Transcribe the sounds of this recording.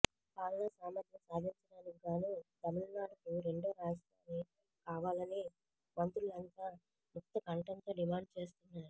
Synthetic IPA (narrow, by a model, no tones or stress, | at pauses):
paːlɐnɐsaːmɐd̪jɐmsaːd̪ʱiɲt͡ʃɐɖaːnikɡaːnuːt̪ɐmilnaːɖɐkuɾe̞ɳɖoːɾaːsʈaːniːt̪ɐ | kaːʋaːlɐni | mɐnt̪ɾulɐnt̪aː | mɔt̪ːɐkɐɳʈɐnt̪o̞ːɖimaːɳɖ̚t͡ʃe̞ːs̬t̪unːaːɾu